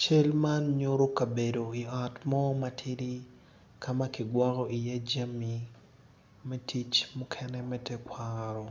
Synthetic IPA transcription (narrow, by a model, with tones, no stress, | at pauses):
t͡ʃe˦lma˦nɲoɾo˦ka˨bedo˨i˨a˨tmɔ˦matʰɪ˦ɾi˦ | kʰama˦kɪ˨ɡwa˦kɔ˦i˨ja˦d͡ʒa˦mi˨ | mɛtʰit͡ʃmukʰɛnɛmɛtɛkwaɾɔ˨